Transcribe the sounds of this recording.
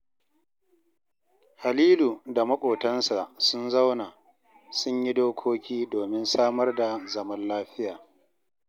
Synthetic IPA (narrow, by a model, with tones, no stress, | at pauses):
ha˨liː˦lu˨da˨mɐ˦kʷʼoː˨tɐ˦nsa˨sʊ˦nza˦wnaː˨ | sʊ˦ɲji˦doː˦kʷʰoː˦kʲiː˦doː˨mɪ˦nsaː˦mɐ˦rda˨zɐ˨mɐ˦nlaː˦ɸɪ˦jaː˨